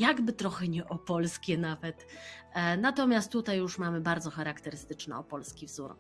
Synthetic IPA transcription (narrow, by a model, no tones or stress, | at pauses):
jaɡbɘt̪ɾɔxɛɲɛʔɔpɔlskʲɛnavɛt̪ | nat̪ɔmʲjast̪ːut̪ajːuʂmamɘbaɾd̪zɔxaɾakt̪ɛɾɘst̪ɘt͡ʂnɛ̰ɔpɔlskʲivzuɾ